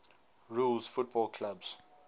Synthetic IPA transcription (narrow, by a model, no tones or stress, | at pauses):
ɹulzfut̚bɔlkʰlabz̥